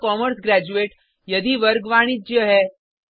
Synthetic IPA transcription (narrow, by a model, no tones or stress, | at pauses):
kɔməɾsɡɾæd͡ʑueʈ | jəd̪iʋəɾɡʋaɽ̃iːd͡ʑjɦɛ